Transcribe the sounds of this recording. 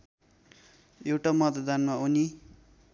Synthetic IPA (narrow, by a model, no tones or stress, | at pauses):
ewʈamʌt̪d̪anmauni